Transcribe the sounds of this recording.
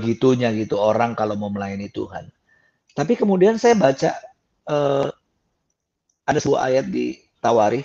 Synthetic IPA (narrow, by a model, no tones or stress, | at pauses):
ɡit̪uɲaɡit̪uoɾaŋkalomoməlaɪnit̪ṵha̰n | t̪apikəmudiansajabat͡ʃa̰ | ə | adasəbua̰a̰jat̪̚dḭ | t̪awaɾi